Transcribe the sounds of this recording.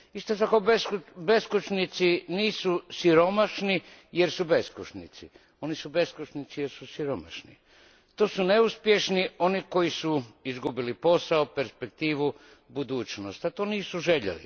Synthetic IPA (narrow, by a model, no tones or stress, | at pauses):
ist̪ot̪ako̞beskbe̞skut͡ʃnit̪siniːsusiɾo̞maʃnije̞ɾsube̞skuʃnit̪si | o̞nisube̞skut͡ʃnit̪sijeɾsusiɾoma̰ʃnḭ | t̪oːsune̞uspjeʃnio̞niko̞jisuizɡubilipo̞saope̞ɾspe̞k̚t̪iːʋu | bud̪uːt͡ʃnost̪at̪oːniːsuʒeʎḛlḭ